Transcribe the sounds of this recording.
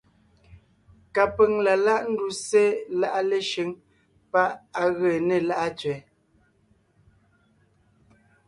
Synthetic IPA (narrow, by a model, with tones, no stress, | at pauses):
ka˨pə˨ŋla˨la˦ʔn̩˦du˦se˦la˦ʔa˦le˦ʃe˨˦ŋ | pa˦ʔa˨ɣə˨ne˨la˦ʔa˦t͡sɥɛ˨˦